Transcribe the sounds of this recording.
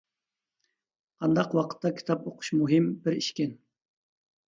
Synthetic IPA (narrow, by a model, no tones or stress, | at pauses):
ɑnd̪ɑqwɑqʰə̥t̪ʰːɑkʲʰi̥t̪ʰɑpoqʰʊ̥ʃmuɦimbɪɾiʃkʲɪn